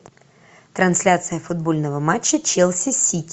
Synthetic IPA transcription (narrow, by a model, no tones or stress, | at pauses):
t̪ɾɐnsʲlʲat̪sɨjəfʊd̪̚bolʲnəvəmat͡ɕːət͡ɕelˠsʲɪsʲitʲ